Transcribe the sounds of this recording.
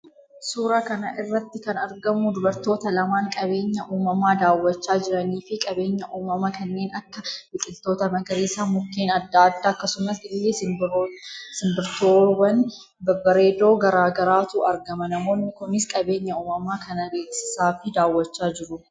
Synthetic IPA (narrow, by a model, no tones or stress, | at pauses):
suːɾaːkɐnɐʔɪrːɐt̪ːɪkɐnɐɾɡɐmʊd̪ʊbɐɾt̪o̞ːt̪ɐlɐmaːŋkʼɐbe̞ːɲːɐʔuːmɐmaːd̪aːwːɐt͡ʃːaːd͡ʒɪɾɐniːfɪkʼɐbe̞ːɲːɐʔuːmɐmɐkɐnːeːnɐkːɐbɪk̪ʼɪlt̪o̞ːt̪ɐmɐɡɐɾeːsaːmʊkːeːnɐd̪ːaːd̪ːaːɐkːɐsʊmɐsɪɪlːe | sɪmbɪɾt̪oːwɐn | bɐbɐɾe̞ːd̪o̞ːɡɐɾaːɡɐɾaːt̪uɐɾɡɐmɐnɐmo̞ːnːɪkʊnɪskʼɐbe̞ːɲːɐuːmɐmaːkɐnɐɡe̞ːksɪ̥saːfɪd̪aːwːɐt͡ʃːaːd͡ʒɪɾʊ